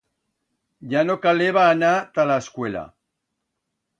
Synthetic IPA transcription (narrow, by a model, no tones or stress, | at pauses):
ʝanokaleβaːnat̪alaeskwe̞la̰